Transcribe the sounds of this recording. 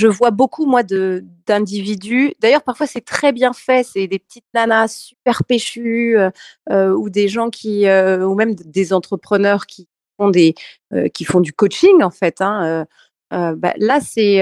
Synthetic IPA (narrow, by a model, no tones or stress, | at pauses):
ʒəvwabokʰumwad̪əd̪ɛ̃d̪ivid̪yd̪ajœʁpaʁfwasɛt̪χɛbjɛ̃fɛsɛd̪epə̥t̪ʰit̪̚nanasypɛʁpeʃyøøud̪eʒɑ̃kʲʰiøumɛmd̪ezɑ̃t̪χəpχənœʁkʲʰi | fɔ̃d̪e | ø̰kʲifɔ̃d̪ykot͡ʃiŋɑ̃fɛt̪ɛ̃ø | øba̰lasɛ